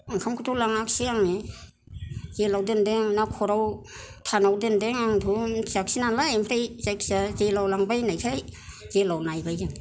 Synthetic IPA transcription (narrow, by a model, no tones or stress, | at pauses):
aŋkʰamkʰɯtʰulaŋak̚siaŋne | zelawdɯndeŋnakʰɔɾaw | tʰanawdɯndeŋaŋdʰuniaksinanlaempʰɾajzajkʰsazelawlaŋbajnajkʰaj | zelawnajbajdaŋ